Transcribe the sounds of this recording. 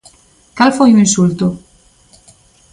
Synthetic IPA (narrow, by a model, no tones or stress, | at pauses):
kalfojuĩnsult̪o